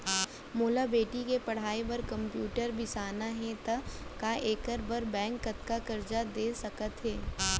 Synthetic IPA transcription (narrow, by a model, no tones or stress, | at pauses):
moːlabeːʈikepɐɽ̤aːebɐɾkɐ̃mpjuːʈəɾbʱɪsaːnaɦɛ̃t̪ɐkaʔeːkəɾbəɾbɛ̃ːŋkːɐt̪kakɐɾd͡ʒad̪eːsɐkət̪ɦɛː